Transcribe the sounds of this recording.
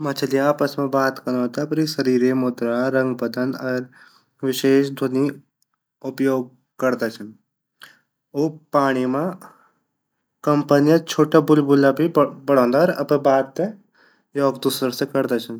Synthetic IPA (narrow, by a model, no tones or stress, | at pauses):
mãt͡ʃʰɐliaːpəsmẽbaːt̪kɐñat̪apɾisɐɾiːɾemoːt̪ɾaɾɐ̃ŋɡpɐd̪ənɐɾ | ʋɪʃeːʃd̪ʱoni | ʊpjoːɡ̚ | kɐɾd̪at͡ʃʰɐn | oːpaːɽ̃imã | kɐmpənjɐt͡ʃʰoːʈabʊlbʊlːabʱibɐɽ̤ɔ̃ːnd̪aːɾɐpẽbaːd̪t̪e | joːɡd̪uːsɾəsekɐɾd̪at͡ʃʰɐn